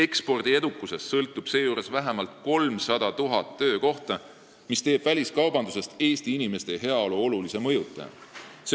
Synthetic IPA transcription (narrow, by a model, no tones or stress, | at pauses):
e̞kspo̞rd̪̥ie̞d̪ukːˑuse̞sːɤlt̪ːˑub̥se̞ːjuːɾe̞svæɦemɑlt̪ko̞lmsɑd̪̥ɑt̪uɦɑt̪ːø̞ːko̞ht̪ɑ | mist̪e̞ːb̥vælʲiskɑwbɑnd̪u̥se̞st̪e̞ːst̪iinime̞st̪e̞ɦe̞ɑo̞luo̞lulise̞mɤ̞jut̪ːˑɑ̰jɑ̰se